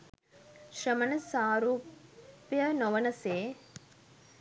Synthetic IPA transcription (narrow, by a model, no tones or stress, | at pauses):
ʃɾɐmɐnɐsaːɾuːpjɐnɔʋɐnɐseː